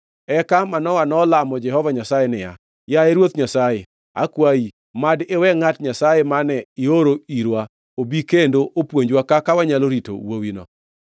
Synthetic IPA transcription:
ɛkamanɔwanɔlamɔd͡ʒɛɦɔvaɲasajenɪja̰ | jaeɾwot̪ɲasaje | a̰kwai | madewɛŋatɲasajemanɛɪoɾoiɾwa | obikendoʔopwoɲd͡ʒwakakawaɲaloɾito̰wowinɔ̰

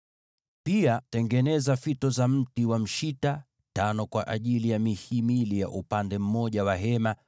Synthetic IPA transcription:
piatɛŋɡɛnɛzafitɔzam̩tiwam̩ʃita | tanɔkwaʔaʄilijamihimilija̰ʔupandɛm̩mɔʄawaɦɛma

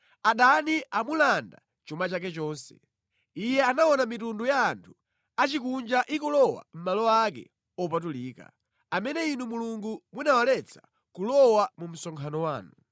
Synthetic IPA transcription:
aɗaniʔamulanda̰ | t͡ʃumat͡ʃak̬ɛt͡ʃɔːnsɛ̥̰ | ijɛanaɔnamitundujaːntʰu̥ | at͡ʃikund͡ʒaʔikulɔwa̰m̩malɔakɛ̰ | ɔpat̬uliːka̰ | amɛnɛinumuluŋɡumunawalɛt͡sʰḁ | kulɔwamum̩sɔŋkʰanɔwaːnu

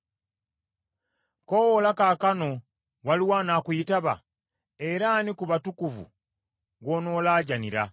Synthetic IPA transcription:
kowolakaːkano̞ | waliwaːnaːkuitaβa̰ | e̞ɾanikuβatukuvṵ | ɡono̞ːlaːɟaniɾa̰

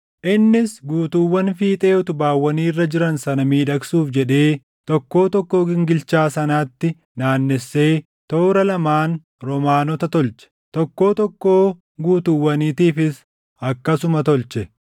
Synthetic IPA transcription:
ʔɪnːɪsɡuːt̪ʊwːɐnfiːt̪ʼe̞ːʊt̪ʊbaːwːɐniːrːɐd͡ʒɪɾɐnsɐnɐmiːᶑɐksuːfd͡ʒɛᶑe̞ː | t̪ɔkːo̞ːt̪ɔkːo̞ːɡɪŋɡɪlt͡ʃaːsɐnaːt̪ːɪ | naːnːɛsːe̞ː | t̪o̞ːɾɐlɐmaːn | ɾɔmaːnɔt̪ɐt̪ɔlt͡ʃɛ̥t̪ɔkːo̞ːt̪ɔkːo̞ː | ɡuːt̪ʊwːɐniːt̪iːfɪs | ɐkːɐsʊmɐt̪ɔlt͡ʃɛ

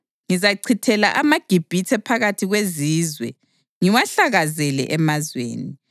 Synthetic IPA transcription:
ŋizaǀʰitʰɛlaʔamaɡ̥ʱib̥ʱitʰɛpʰaɣatʰiɣweziːzwɛ̰ | ŋiwaɬaɣazɛlɛ̰ʔɛmazwḛːni

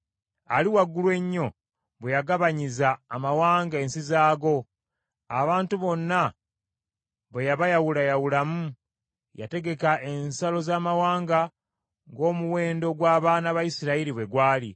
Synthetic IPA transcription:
aliwaɡːulwe̞ɲːo̞ | βwejaɡaβaɲizaːmawaːŋɡae̞ːnsizaːɡo̞ | aβaːntuβo̞nːa | βwejaβajawulajawulamu | ja̰te̞ɡe̞kaʔe̞nsalo̞zaːmawaːŋɡa | ŋɡo̞ːmuwe̞ːndo̞ɡwaːβaːnaβajisiɾaiɾiβwe̞ɡwaːlḭ

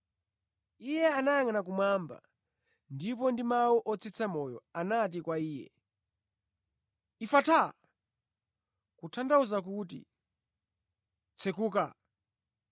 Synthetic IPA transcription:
ijɛanajaŋanak̬umwamba̰ | ndip̬ɔndimawuʔɔt͡sʰit͡sʰamɔjɔanat̬ikwaiːjɛ̰ | ifatʰa | kutʰandauzak̬uːt̬ḭ | t͡sʰɛkuːka

